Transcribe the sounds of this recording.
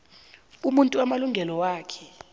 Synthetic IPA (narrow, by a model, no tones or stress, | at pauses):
umuntʼuamaluŋɡʱɛlɔwaːkʰɛ̥